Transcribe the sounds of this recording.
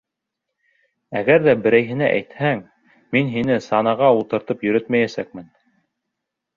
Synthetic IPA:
æɡæɾðæbɘ̆ɾæjɦɘ̆næʔæ̰jt̪hæŋ | minɦinɘsɑnɑʁɑulˠt̪ɤ̆ɾt̪ɤpjɵ̆ɾɵt̪mæjæsæk̚mɘn

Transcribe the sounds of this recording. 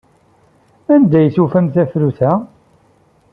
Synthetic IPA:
ænd̪æjθufæmθæθɾuθæ

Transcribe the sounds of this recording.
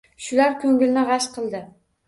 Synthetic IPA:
ʃʊlaɾkʰʲɵŋɡʲɪlnɪʁɑʃqʰɨlˠd̪ɪ

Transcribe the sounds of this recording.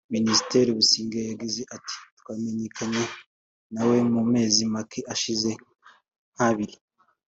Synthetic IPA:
minisi̥te̞ɾiβusiːŋɡejaɡize̞ʔati̥twaːme̞ɲe̞kʰaɲe̞ | nawe̞mume̞ːzimakʰiʔaʃize̞ | n̥haβiɾi

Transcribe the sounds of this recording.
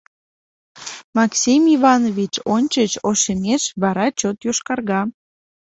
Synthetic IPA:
mɑksʲimivɑnovʲit͡ɕonʲt͡ɕət͡ɕoʃemeʃβɑɾɑt͡ɕot̪joʃkɑrɣɑ

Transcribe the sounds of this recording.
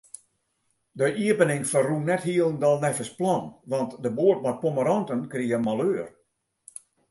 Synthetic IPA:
dəʔiəpənɪŋfərrunɛthiəlˠəndɔlˠnɛfəsplˠɔnʋɔntdəboət̚mat̚poməɾɔntənkriəmaløːər

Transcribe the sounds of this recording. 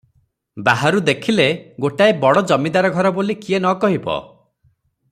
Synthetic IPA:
baɦaɾud̪ekʰileɡoʈaebɔɽɔd͡ʒɔmid̪aɾɔɡʱɔɾɔbolikienɔkɔɦibɔ̰

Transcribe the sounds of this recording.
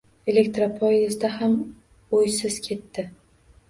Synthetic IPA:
e̞le̞kʲt̪ɾapʰɒjɪzd̪aɦam | ojsɪzkʲʰe̞t̪ːɪ

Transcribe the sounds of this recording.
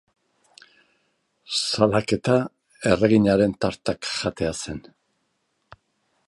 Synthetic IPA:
salake̞t̪a | e̞re̞ɣiɲaɾe̞nt̪aɾt̪akʝat̪e̞ase̞n

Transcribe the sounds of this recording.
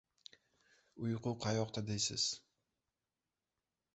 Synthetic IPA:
ʊjqʰʊqʰajɒqt̪ʰad̪ejsɪ̰z̥

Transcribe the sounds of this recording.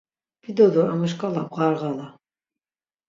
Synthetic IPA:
b̥id̪ɔd̪uaməʃkʼalabʁaɾʁala

